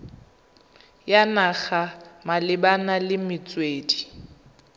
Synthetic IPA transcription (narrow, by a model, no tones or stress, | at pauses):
janaɣamalɪbanalɪmɪt͡sʼweːdi